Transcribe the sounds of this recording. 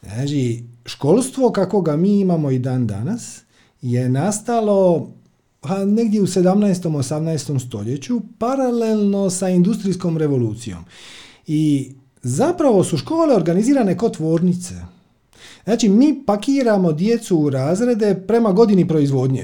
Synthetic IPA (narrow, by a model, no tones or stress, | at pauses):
znaːt͡ʃiʃko̞ːlˠst̪ʋo̞kako̞ɡamiːimamo̞id̪aːnd̪a̰nas | je̞nast̪alo̞ | hane̞ɡd̪jeuse̞d̪amnaest̪o̞mosamnaest̪o̞mst̪o̞ʎe̞t͡ɕupaɾalelˠno̞saind̪ust̪ɾisko̞mɾe̞ʋo̞luːt̪sijo̰m | i | zapɾaʋo̞suʃko̞ːle̞o̞ɾɡaniziːɾane̞ko̞t̪ʋo̞ːɾnit̪se̞̰ | znaːt͡ʃimiːpakiːɾamod̪je̞t̪suɾaːzɾe̞d̪e̞pɾe̞maɡo̞d̪inipɾo̞izʋo̞d̪ɲḛ